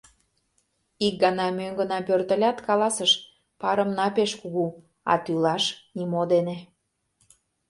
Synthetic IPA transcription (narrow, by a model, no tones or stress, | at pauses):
ik̚ɡɑnɑmøŋɡənɑpørt̪ə̆lʲɑt̪kɑlɑsəʃ | pɑɾə̆mnɑpeʃkuɣu | ɑ̰t̪ylɑʃnimod̪ene